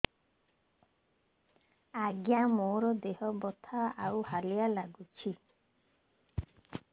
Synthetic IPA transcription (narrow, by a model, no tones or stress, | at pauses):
aɡjamoɾɔd̪eɦɔbɔt̪ʰaawhalijalaɡut͡ʃʰi